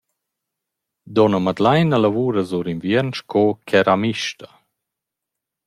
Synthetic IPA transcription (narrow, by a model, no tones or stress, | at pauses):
d̪ɔnəmad̪lajnəlavuːɾəzuɾinvjɛnʃkʰokʰɛɾamiʃt̪a